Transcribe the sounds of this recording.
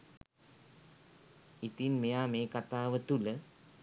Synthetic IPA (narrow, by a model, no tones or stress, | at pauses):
it̪inmejaːmeːkat̪aːʋət̪ulə